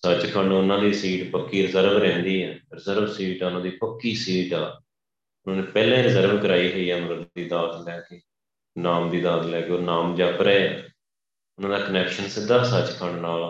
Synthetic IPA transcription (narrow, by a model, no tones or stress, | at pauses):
sət͡ʃkʰəɳɖʊnãːd̪iːsiːʈpəkːiːɾɪzəɾʋɾɛ̃ːnd̪iːɦɛːɾɪzəɾʋsiːʈɛːʊnãːd̪iːpəkːiːsiːʈaː | ʊnãːnẽːpɛːlẽːɾɪzəɾʋkəɾaːiːɦəiːɛːnãːd̪iːd̪aːt̪lɛːkeː | naːmd̪iːd̪aːt̪lɛːkeːoːnaːmd͡ʒaːpəɾɛː | ʊnãːd̪aːkənɛːkʃənsɪd̪aːsət͡ʃkʰəɳɖnaːl